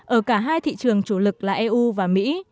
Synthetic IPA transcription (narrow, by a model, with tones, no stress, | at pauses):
ʔəː˧˩kaː˧˩ɦaː˧jt̪ʰḭ˧˨t͡ɕɨ˨˩əŋt͡ɕu˧˩lɨ˨˩k̚laː˨˩ʔɛ˧ʔu˧vaː˨˩mḭ˧˥